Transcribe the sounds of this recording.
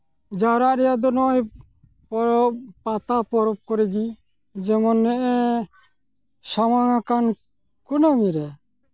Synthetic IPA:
d͡ʒaɾaʔɾɛjad̪ɔnɔj | pɔɾɔpat̪apɔɾɔp̚kɔɾɛɡi | d͡ʒɛmɔnːɛʔɛ | samaŋakan | kunaŋiɾɛ

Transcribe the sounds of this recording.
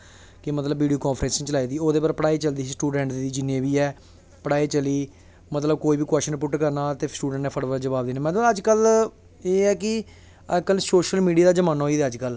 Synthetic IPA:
kɪmət̪ləbːʋiːɖioːkɔ̃ːnpʰɾɛ̃nsnĩːt͡ʃəlaːiːd̪iːoːd̪eːpəɾpəɽaːiːt͡ʃəld̪iːsiːsʈuːɖɛ̃ːɳʈd̪iːd͡ʒɪnẽːbiːɛː | pəɽaːit͡ʃəliː | mət̪ləb̚koːiːbiːkwɛːsʃənpʊʈkəɾnaːt̪eːsʈuːɖə̃ɳʈnɛ̃ːpʰəɽʋəɾd͡ʒəbaːbd̪iːnɛːmɛ̃ːt̪õəd͡ʒkəl | eːɛːkɪ | əkəlsoːʃəlmiːɖiaːd̪aːd͡ʒəmaːnaːɦoːiːd̪ɛːəd͡ʒkəl

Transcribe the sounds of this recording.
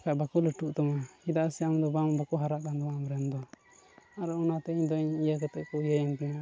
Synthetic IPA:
kaʔbakuləʈuʔt̪ɔmaid̪aʔsɛamd̪ɔbambakɔɦaɾaʔd̪and̪ɔamɾɛnd̪ɔ | aɾɛunat̪ɛiɲd̪ɔiɲijakɛt̪ɛʔkɔjəjɛŋpina

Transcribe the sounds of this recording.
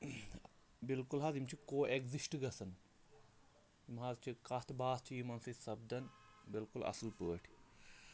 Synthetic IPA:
bilkulɦaːzimt͡ʃʰikoːeɡzisʈɡɐsɐn | imɦaːzt͡ʃʰikɐt̪ʰbaːst͡ʃʰijimɐnsɐsɐb̚d̪ɐnbilkulɐ̰slpəːʈʰi̥

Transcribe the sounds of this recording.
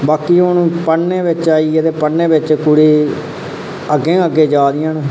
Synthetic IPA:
baːkiːʊñːpəɳːẽːʋɪt͡ʃaːiːed̪eːpəɳnːẽːbɪt͡ʃkʊɽiː | əɡːẽːəɡːeːd͡ʒaːd̪ɪjãːnũː

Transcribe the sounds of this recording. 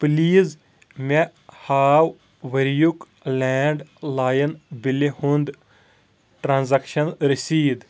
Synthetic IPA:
pliːz | me | haːw | ʋɐɾjuk | lɛːɳɖlaːjɐnbilehũnd̪ | ʈɾanzakʃɐnɾisiːd̪

